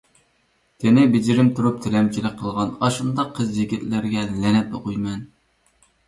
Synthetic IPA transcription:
t̪ʰenɪbɪd͡ʒiɾɪmt̪ʰuɾup̚t̪ʰɪlɛmt͡ʃʰilɪk̚ʲqʰəlˠʁɑnɑʃɨnd̪ɑqʰːəzjiɡʲit̪lɪɾɡʲɛlɛnɛt̪̚oqujmɛn

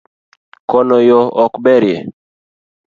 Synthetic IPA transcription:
kɔnɔjɔɔkbɛɾje

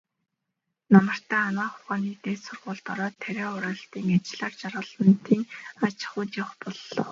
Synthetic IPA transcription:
namə̆r̥t̪æːanaːχʊ̥χaːniːt̪eːsʊrʁʊːɮt̪ɔɾɔːt̪ʰːæɾeːʊɾaːɬt̪iːŋat͡ɕɪɮaːrt͡ɕarʁə̆ɮə̆nt̪ʰiːŋat͡ɕɪ̥̆χʊːt͡ɕ̪aχpɔɮːɞ̰̆w

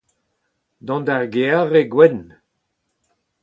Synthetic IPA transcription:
d̪ɔ̃nd̪aʁɡeaʁeɡwɛn

